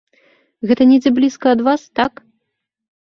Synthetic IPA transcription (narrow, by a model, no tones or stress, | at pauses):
ɣɛt̪ɐnʲɛd͡zʲɛblʲiskɐːd̪vast̪ak